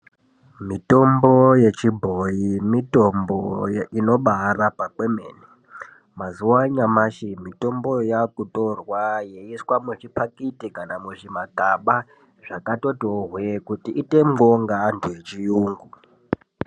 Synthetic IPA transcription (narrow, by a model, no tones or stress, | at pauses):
mito̞mbo̞je̞t͡ʃibʱojimitomboino̞ɓarapakwemḛːni | mazuwaɲamaʃimito̞mbo̞jakutʼorwajeiswamuʐipʰakʼitikanamuʐimaɡʱaɓa | ʐakato̞toɦwekutiʔite̞moŋɡaːntʰujet͡ʃijuːŋɡu